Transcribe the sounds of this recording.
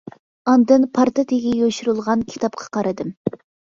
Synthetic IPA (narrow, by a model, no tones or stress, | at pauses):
ɑnd̪ɨnpʰɑɾt̪ɨt̪eɡʲɛjøʃyɾulˠʁɑnkʲʰi̥t̪ʰɑp̚qʰɑ̥qʰɑɾɨd̪ɨm